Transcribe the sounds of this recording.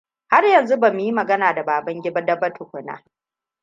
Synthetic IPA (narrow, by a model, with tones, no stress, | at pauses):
ha˦rjɐ˨nzu˦bɐ˨m˨ji˦mɐ˨ɡɐ˦naː˨da˨baː˨bɐ˦ŋɡʲɪ˦ba˦dɐ˦bɐ˦tʰʊ˨kʷʊ˨na̰ː˦